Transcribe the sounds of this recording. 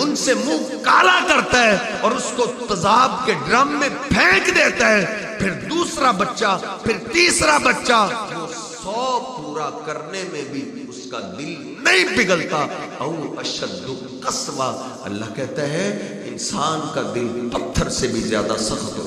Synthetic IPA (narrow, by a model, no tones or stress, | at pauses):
ʊnsemũːkaːlakɐɾt̪aɦɛ | ɔːɾʊskot̪ɐzaːb̚keɖɾaːmːẽpʰɛ̃ːkd̪eːt̪aɦɛː | pʰɪɾd̪uːsɾabɐtːʃapʰɪɾt̪iːsɾabɐtːʃaʋoː | ssɔːpuːɾakɐɾnemẽbʱi | ʊskad̪ɪl | nɐɦĩpɪɡəlt̪aɐuɐʃəd̪ːʊ | qɐsʋa | ɐ̰lːa̰ɦkɛɦt̪aɦɛ | ɪnsaːnkad̪ɪlpɐt̪ʰːəɾsebʱizja̰ːd̪a̰sɐxɦo̰ː